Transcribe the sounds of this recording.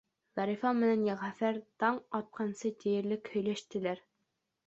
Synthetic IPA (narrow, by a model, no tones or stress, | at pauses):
ʁɑɾifɑmɘ̆nænjɑʁæfæɾt̪ɑɴɑt̪̚qʰɑnsɤt̪ĭjɘ̆ɾlɘkhɵ̆jlæʃt̪ɘ̆læɾ